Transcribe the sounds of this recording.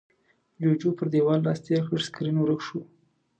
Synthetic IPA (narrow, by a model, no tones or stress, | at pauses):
d͡ʒod͡ʒopəɾd̪ewɑlːɑst̪eɾxəʐskɾinwɾəkʂu